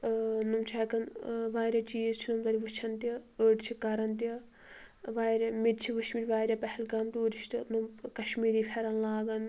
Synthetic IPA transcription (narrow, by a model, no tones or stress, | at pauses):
numt͡ʃʰakɐnʋaːɾʲɐt͡ʃiːzt͡ʃʰinumt̪ɐɾʲiʋɨt͡ʃʰɐnt̪iəːʈt͡ʃʰikɐɾɐnt̪ɐ | ʋaːɾʲɐmid̪̚t͡ʃʰiʋɨʃmiɾʲʋaːɾʲjɐpɐhɛlɡɐːmt̪iuɾiʃt̪ɨnumkɐʃmiːɾiːpʰʲɐɾɐnlaːɡɐn